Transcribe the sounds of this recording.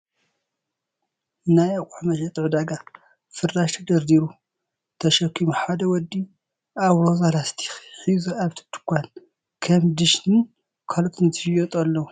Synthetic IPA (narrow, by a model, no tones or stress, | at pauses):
najakʼuħmɐʃɐt̪ʼɨʕd̪aɡa | fɨɾaʃt̪ʰɐd̪ɐɾd̪iɾu | t̪ʰɐʃɐkʰːimuħad̪ɐwɔd̪ːi | ʔaβɾo̞zalast̪ʰi̥xħizuaβt̪ʰɨ̥t̪ʰːɨ̥kʷan | kʰɐmd̪ɨʃnɨn | kʰalk̪ʼɨnt̪ʰɨʃjot̪ʼɐlːɐwu